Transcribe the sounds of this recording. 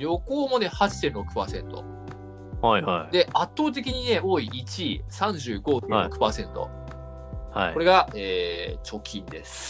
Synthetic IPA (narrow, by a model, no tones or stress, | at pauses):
ɾjo̞ko̞ːmo̞ne̞hat͡ɕi̥t̪ẽɾo̞kɯ̟̥paːsẽ̞nt̪o̞̰ | ajhajd̪e̞ʔat̪ːo̞ːt̪̬e̞kʲiɲ̟ine̞oːiːt͡ɕisãɲ̟d͡ʑɨːɡo̞ːt̪ẽokɯ̟̥paːsẽ̞nt̪o̞̰ | ha̰io̞ɾe̞ɡaeːt͡ɕo̞kʲʰĩnd̪e̞sɨ̥